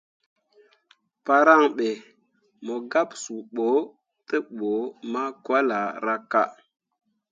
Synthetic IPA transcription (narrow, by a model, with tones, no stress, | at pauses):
pa˨ɾa˦˨ŋɓe˨ | mo˨ɡa˦psu˨ɓo˨˦ | tə˦ɓo˨˦ma˦kwa˦la˨ɾa˦ka˦